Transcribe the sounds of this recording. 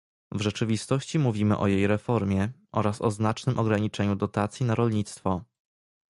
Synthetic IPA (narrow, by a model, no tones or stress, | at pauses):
vʐɛt͡ʂɘvʲist̪ɔɕt͡ɕimuvʲimɘ̰ʔɔjejɾɛfɔɾmʲjɛʔɔɾasɔznat͡ʂnɘmʔɔɡɾaɲit͡ʂɛɲud̪ɔt̪at̪sʲjinaɾɔlɲit̪st̪fɔ